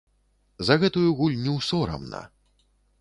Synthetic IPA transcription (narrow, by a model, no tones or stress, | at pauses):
zɐɣɛt̪ujuɣulʲnʲiwsɔɾɐ̰mnɐ̰